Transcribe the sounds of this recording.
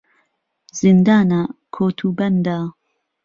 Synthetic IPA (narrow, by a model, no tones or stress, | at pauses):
z̥ind̪aːnɐkʰoːt̪ʰuːbɐnd̪aː